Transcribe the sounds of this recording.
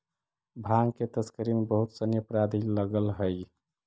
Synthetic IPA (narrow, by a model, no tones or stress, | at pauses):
bʱaŋket̪əskəɾimebəɦut̪sənjəpɾad̪ʱiləɡəlɦəj